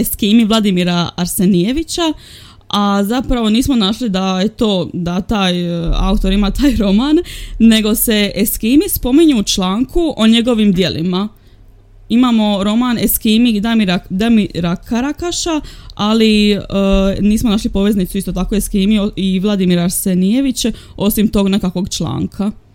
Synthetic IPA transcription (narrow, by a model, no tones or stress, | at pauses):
eskiːmiʋlˠad̪imiɾaːɾse̞nije̞ʋit͡ɕa | azapɾaʋo̞niːsmo̞naʃlid̪ajet̪o̞ːd̪at̪aːja̰ut̪o̞ɾimaːt̪aːjɾo̞maːnːe̞ɡo̞se̞eskiːmispo̞miɲuut͡ʃlaːŋkuʔo̞ɲe̞ɡo̞ʋimd̪je̞lʔḭma | imaːmo̞ɾo̞maneskimid̪amiɾad̪amiɾakaɾakaʃaali | niːsmonaːʃlipo̞ʋe̞znit̪suist̪o̞t̪akoeskiːmioiʋlˠad̪imiɾaɾsenije̞ʋit͡ɕe | o̞simt̪o̞ːɡne̞kakʋo̞ɡt͡ʃlˠa̰ːŋkʰa